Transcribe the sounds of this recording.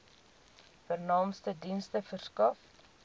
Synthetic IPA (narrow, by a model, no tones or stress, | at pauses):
fərnɑːmstədinstəfərskɐf